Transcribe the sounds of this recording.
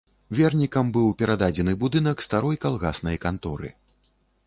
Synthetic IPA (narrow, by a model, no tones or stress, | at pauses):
vʲɛrnʲikɐmbɨwpʲɛɾad̪ad͡zʲɛnɨbud̪ɨnɐkst̪aɾɔjkalˠɣasnɐjkant̪ɔɾɨ̰